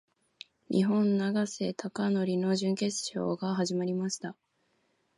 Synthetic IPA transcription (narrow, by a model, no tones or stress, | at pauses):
ɲʔḭɦõ̞nːaɡase̞t̪ʰakano̞ɾʲino̞ʑɨ̃ŋke̞t͡sɨ̥ɕo̞̰ːɡaɦaʑimaɾʲimaɕi̥t̪a